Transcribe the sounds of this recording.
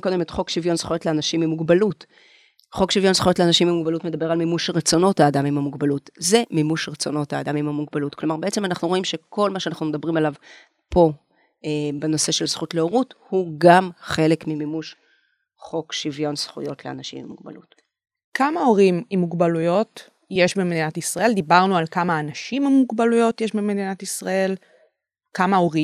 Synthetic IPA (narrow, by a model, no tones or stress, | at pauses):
ko̞d̪emetχo̞kʃivjo̞nsχujo̞tleanaʃimimuɡbalut | χo̞kʃivjo̞nsχujo̞tleanaʃimbimuɡbalutmed̪abe̞ʁalmimuʃʁet͡so̞no̞taːdamimhamuɡbalutze̞mimuʃʁet͡so̞no̞taːd̪amimamuɡbalutklo̞maʁbeet͡se̞manaχnuʁo̞imʃe̞kʰo̞lmaʃeanaχnumed̪abʁimalav | po̞ | ebeno̞seʃe̞lz̥χutleoʁuthuɡamχe̞le̞kmimimuʃ | χo̞kʃivjo̞nsχṵjo̞tlea̰naʃḭmḭmuɡba̰lut | kamao̞ʁimimuɡbalujo̞t | je̞ʃbemed̪inatisʁae̞ld̪ibaʁnualkamaːnaʃimamuɡbalujo̞tjeʃbemedinatisʁae̞l | kamao̞ʁi